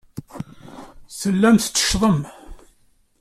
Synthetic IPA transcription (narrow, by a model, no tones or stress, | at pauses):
səlːæmθt͡s̪ːə̥ʃðˤəm